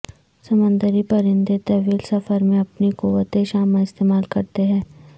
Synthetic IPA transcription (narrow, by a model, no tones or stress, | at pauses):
sɐmə̃nd̪əɾipɐɾɪ̃nd̪et̪ɐʋiːlsɐfəɾmẽɐpnikuːʋət̪eʃaːmãɪst̪eːmaːlkɐɾt̪eɦɛ̃ː